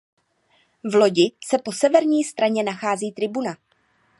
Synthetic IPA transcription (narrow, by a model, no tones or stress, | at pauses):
vlo̞ɟɪsɛpo̞sɛvɛɾɲiːst̪ɾaɲɛnaxaːziːt̪ɾɪbuna